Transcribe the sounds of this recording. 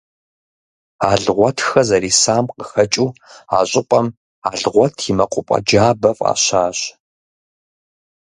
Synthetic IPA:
aːɮʁʷɔtʰxɐzɐɾiːsaːmqəxɐt͡ʃʼuːaːɕʼɪpʼɐm | aːɮʁʷɔtʰimɐqʷʼʊpʼɐ̰d͡ʒaːbɐfʼa̰ːɕaːɕ

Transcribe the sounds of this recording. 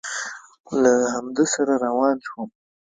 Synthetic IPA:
lahamd̪asaɾaɾawɑnʃwəm

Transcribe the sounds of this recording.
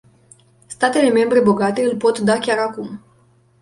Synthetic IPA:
st̪at̪e̞le̞me̞mbɾe̞bo̞ɡat̪e̞ɨlpo̞t̪d̪akʲaɾakum

